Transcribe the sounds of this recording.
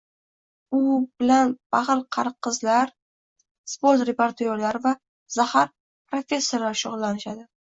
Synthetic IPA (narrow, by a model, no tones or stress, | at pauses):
ʊbɪlanb̥aʁɨɾqʰɑɾqʰːɨzlaɾ | spo̞ɾt̪ɾe̞poɾt̪ʰoɾlaɾɪva | z̥ahaɾ | pɾofʲe̞sːoɾlaɾʃʊʁlˠːanɪʃad̪ɪ